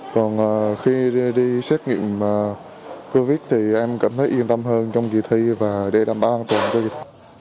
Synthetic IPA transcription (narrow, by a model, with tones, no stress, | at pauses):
kɔ˨˩nʔəː˨˩xi˧ɗi˧sɛ˦˥t̚ŋḭ˧˨əməː˨˩ | ko˧vi˦˥t̚t̪ʰi˨˩ʔɛ˧mka̰ː˧˩mt̪ʰə˨˦jʔi˧ənt̪ə˧mɦəː˧nt͡ɕɔ˧wŋ͡mki˨˩t̪ʰi˧vaː˨˩ɗe˧˩ɗa̰ː˨˩mɓaː˧˦wʔaː˧nt̪waː˨˩nt͡ɕɔ˧ɣi˨˩t̪ʰi˧